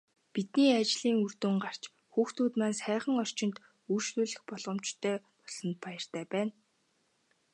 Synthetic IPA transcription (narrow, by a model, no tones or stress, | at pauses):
pit̪niːat͡ɕɮiːŋur̥t̪uːŋɢar̥t͡ɕ | xuːxt̪ʰuːt̪maːnsæːχə̆ŋɔr̥t͡ɕɪ̆nt̪ | urʃt̪uːɮɘ̆xpɔɮʁɞ̆mt͡ɕt̪ʰːœːpɔsɞ̆nt̪̚pajə̆r̥t̪æːpæːn